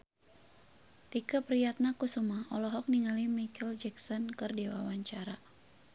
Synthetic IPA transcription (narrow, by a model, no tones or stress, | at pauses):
t̪ikəpɾijat̪̚nakusumaɔlɔɦɔk̚niŋalimikʰɛld͡ʒɛksɔnkɨrdiwa̰waɲt͡ʃaɾa